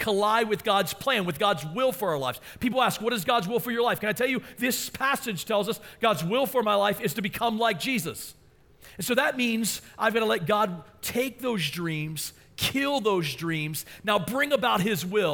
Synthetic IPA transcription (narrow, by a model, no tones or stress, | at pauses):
kʰəlaɪwɨðɡɑdz̥pʰl̥æ̃nwɨðɡɑdzwɪlˠfə˞aʊə˞laɪvz̥pipl̩ˠæskwʌɾɨzɡɑdzwɪlˠfə˞jə˞laɪfkɨ̃ñaɪtʰɛlˠjɨðɪspʰæsɨd̥ʒ̥tʰɛlˠzʌsɡ̥ɑdzwɪlˠfə˞maɪlaɪfɨz̥tɨbɨkʰʌ̃mlaɪk̚d̥ʒ̥izɨs | ɨ̃nsoʊðɨt̚mĩnzʔãɪ̃mɡʌɾəlɛt̚ɡ̥ɑd̚tʰeɪk̚ðoʊzdɹĩmz̥ | kʰɪlˠðoʊzdɹĩmznaʊbɹɪ̃ŋəbaʊt̚hɪzwɪlˠ